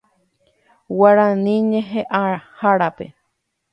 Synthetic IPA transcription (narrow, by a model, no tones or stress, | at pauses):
waɾanĩɲẽɦeʔahaɾapḛ